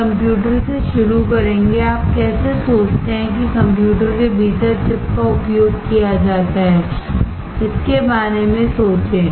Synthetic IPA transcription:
kɐ̃mpjuːʈ̬əɾseʃʊɾukɐɾẽːŋɡeaːp̚kɛːsesoːt͡ʃt̪eɦɛ̃k̬ikɐ̃mpjuːʈəɾkebʱiːt̪əɾʈɪpkaʊpjoːɡkijad͡ʒaːt̪aɦɛː | ɪskebaːnemẽsoːt͡ʃẽː

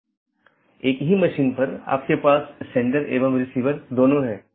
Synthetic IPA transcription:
eːkɦimɐʃiːnpɐɾa̰ːp̚kepaːsːɛ̃ɳʈəɾḛːʋəmɾɪsiːʋəɾd̪oːnoɦɛː

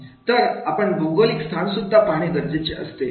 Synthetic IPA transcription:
t̪əɾapəɳboɡəlikst̪ʰansud̪ʱːapaɽ̃iɡəɾd͡zet͡ɕeʔə̰st̪e

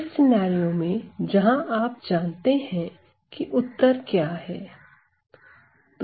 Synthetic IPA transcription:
sɪnaːɾijõmẽd͡ʒɐɦãʔaːp̚d͡ʒaːnt̪eɦɛ̃ | kiʔʊt̪ːəɾkjaːɦɛː | t̪

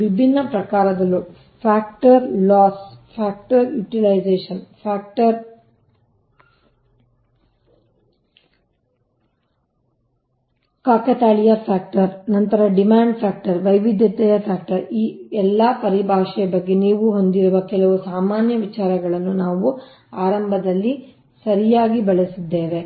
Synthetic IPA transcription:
ʋibʱinːɐpɾɐkaːɾɐd̪ɐlːu | pʰaːk̚ʈɐɾlɔːspʰaːk̚ʈɐɾjuːʈilɐjd͡ʒeːʂɐnpʰaːk̚ʈɐɾ | kaːkɐt̪aːɭijɐpʰaːk̚ʈɐɾnɐnt̪ɐɾɐɖimaːɳɖpʰaːk̚ʈɐɾʋɐjʋid̪ʱjɐt̪ɛjɐpʰjaːk̚ʈɐɾiːɛlːɐpɐɾibʱaːʂɛjɐbɐɡːe̞niːʋuɦo̞nd̪iɾuʋɐkɛlɐʋusaːmaːnjɐʋit͡ʃaːɾɐɡɐɭɐnːunaːʋu | aːɾɐmbʱɐd̪ɐlːi | sɐɾijaːɡibɐɭesid̪ːe̞ːʋe

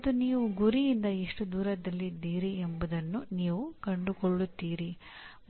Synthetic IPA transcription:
t̪ːuniːʋuɡuɾijind̪ɐiʂʈud̪uːɾɐd̪ɐlːid̪ːiːɾiembud̪ɐnːuniːʋukɐɳɖukoɭːut̪ːiːɾi | m

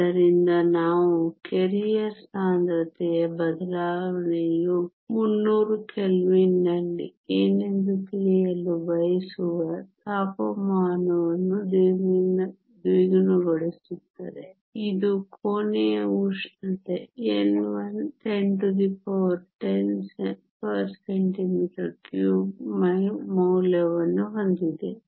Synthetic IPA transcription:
ɐɾind̪ɐnaːʋukeɾijɐsaːnd̪ɾɐt̪ɛjɐbɐd̪ɐlaːʋɐɳɛju | munːuːɾukelʋinːɐlːḭeːnend̪ukiɭɛjɐlːubɐjɐsuʋɐt̪aːpɐmaːnɐʋɐnːud̪iɡinɐ | d̪iɡɐnuɡɔɭisit̪ːɐɾe | id̪ukʰoːnijɐuʂnɐt̪eenʋɐnt̪enʈut̪ipʰoʋɾʈense | pɐɾseɳʈimiːʈɐɾkjuːmɐmɐwlɐʋɐnːuɦond̪id̪e

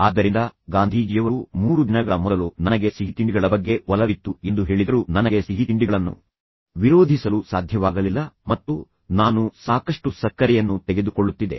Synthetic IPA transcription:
aːd̪ːɐɾind̪ɐɡaːnd̪ʱiːd͡ʒijɐʋɐɾumuːɾud̪inɐɡɐɭɐmɔd̪ɐlunɐnɐɡe̞siɦit̪iɳɖiɡɐɭɐbɐɡːe̞ʋɐlɐʋit̪ːue̞nd̪uɦe̞ːɭid̪ɐɾunɐnɐɡe̞siɦit̪iɳɖiɡɐɭɐnːṵ | ʋiɾo̞ːd̪ʱisɐlusaːd̪ʱjɐʋaːɡɐlilːɐmɐt̪ːu | naːnusaːkɐʂʈusɐkːɐɾɛjɐnːut̪ɛɡe̞d̪ukoɭːut̪ːid̪e̞̰

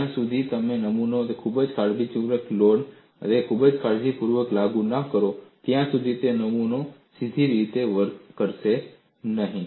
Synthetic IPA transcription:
ãsud̪ʱit̪əmenəmunoekʰubəd͡ʒkʰaɾbit͡ʃuɾəklon̰ | ekʰubəd͡ʒkʰaɾd͡ʒipuɾʋəklaɡũnəkəɾot̪jãsud̪ʱit̪enəmunosid̪ʱiɾit̪eʋəɾkəɾse | nəɦĩ

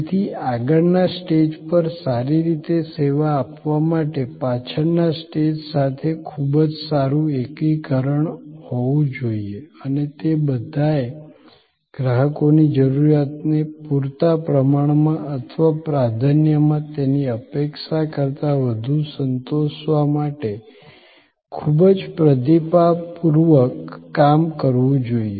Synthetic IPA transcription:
t̪ʰiaɡəɾnasʈed͡ʒpəɾsaɾiɾit̪eseʋaːpʋamaʈepat͡ʃʰəɾnasʈed͡ʒsat̪ʰekʰubəd͡ʒsaɾũekikəɾəɳhoʋũd͡ʒoieənet̪ebəd̪ʱae | ɡ̥ɾaɦəkonid͡ʒəɾuɾjat̪nepuɾt̪apɾəmaɳ̃mãʔət̪ʰəʋapɾad̪ʱənjəmãt̪eniəpekʃakəɾt̪aʋəd̪ʱusənt̪oʃʋamaʈe | kʰubəd͡ʒpɾəd̪ipapuɾʋəkːamkəɾʋũd͡ʒoie

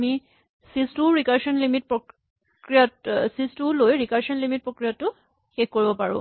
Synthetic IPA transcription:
mi | sistuɹikaɹʃɔnlimit̚pɹo | kɹijatsistulojɹikaɹsɔnlimit̚pɹokɹijatːʊ | xexkoɹibɔpaɹʊ̰̃

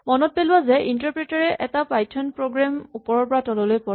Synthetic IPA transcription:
mɔnɔt̚pelʊwazɛʔintaɹpɹɛtaɹɛʔɛtapajtʰɔnpɹoɡɹamupɔɹɔɹpɔɹatɔlɔlojpɔ

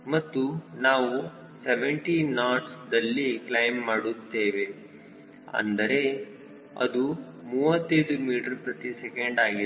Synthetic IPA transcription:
mɐt̪ːunaːʋu | seʋeɳʈinaːʈsd̪ɐlːiklɐjmːaːɽut̪ːe̞ːʋe | ɐ̰nd̪ɐɾe̞ | ɐ̰d̪u | muːʋɐt̪ːɐjd̪umiːʈɐɾpɾɐt̪isekeɳɖaːɡi

